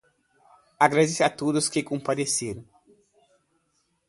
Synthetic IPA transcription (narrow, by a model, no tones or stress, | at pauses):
aɡɾad̪esat̪od̪ʊskɪkõmpad̪eseɾɐ̃w̃